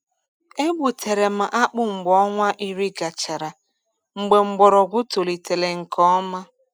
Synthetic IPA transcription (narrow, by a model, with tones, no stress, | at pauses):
e˦ɡ͡bu˨tʰe˨ɾe˨ma˨ʔa˦k͡pʊ˦ŋ͡m̩˨ɡ͡bɔ˨˦ŋʷa˦ʔi˦ɾi˦ɡa˨t͡ʃa˨ɾa˨ | ŋ͡m̩˨ɡ͡be˨ŋ͡m̩˨ɡ͡bɔ˨ɾɔ˨ɡʷʊ˦to˨li˨te˨le˨ŋ̩˨kɔ˦ma˦